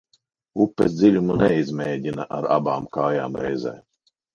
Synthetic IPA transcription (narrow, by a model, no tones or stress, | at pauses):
upːesd̪zʲilʲumunɛizmʲɛːɟʲinɐʔaɾa̰baːmkaːjaːmɾɛjzɛ̰j